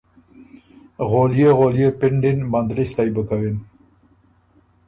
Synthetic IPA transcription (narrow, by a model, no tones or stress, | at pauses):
ɣolijeɣolijepɪɳɖinmand̪list̪ajbəkawen